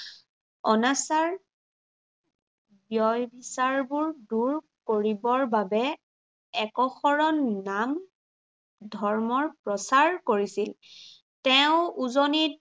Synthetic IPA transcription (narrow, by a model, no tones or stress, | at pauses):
ɔnasaɹ | bjɔjbʱisaɹbuɹduɹ | koɹibɔɹbabɛ | ɛkɔxɔɹɔnnam | dʱɔɹmɔɹpɹɔsaɹkoɹisil | tɛʊ̃uzonit̚